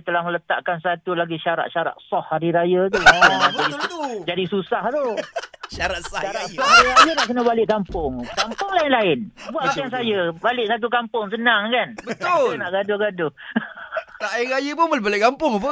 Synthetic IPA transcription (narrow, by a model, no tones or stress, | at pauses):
t̪əlahmələt̪a̰ʔkansat̪ulaɡiʃaɾa̰ʔ̪̚ʃaɾa̰t̪̚sɔhaɾiɾajat̪̬ulaadid͡ʒadisusaht̪oʃaɾat̪sʃaɾaʔsɔhaɾiɾajanaʔkənəbalɪʔkampʊŋkampʊŋlaɪnlaɪnbuaʔak̪ians̬ajəbalɪʔsat̪̬ukampʊŋsənaŋkanbət̪ʊnaʔɡadʊhɡadʊ | taɪɾajəpʊnməlbalɪkampʊŋap̬ə